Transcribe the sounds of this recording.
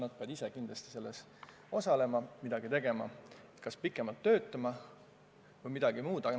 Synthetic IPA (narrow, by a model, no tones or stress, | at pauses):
nɑd̪̚pe̞ɑd̪isekind̪lɑst̪i̥se̞lːes | o̞sɑle̞mɑmid̪̥ɑɡ̥it̪e̞ɡe̞mɑ̰et̪kɑspikːˑe̞mɑlt̪ːø̞ːt̪ːˑɑmɑ | vɤjmid̪̥ɑɡ̥imuːd̪̥ɑɑ